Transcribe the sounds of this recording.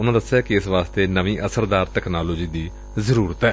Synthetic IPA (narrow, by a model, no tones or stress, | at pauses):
ʊnãːd̪əsːejaːkɪɪsʋaːst̪eːnəʋĩːʔəsəɾd̪aːɾt̪ɛːkʰnaːloːd͡ʒiːd̪iː | zəɾuːɾət̪ɛː